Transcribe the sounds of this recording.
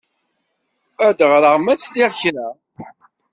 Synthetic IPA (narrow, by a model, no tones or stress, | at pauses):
æd̪ʁɾəʁmæsliʁçɾæ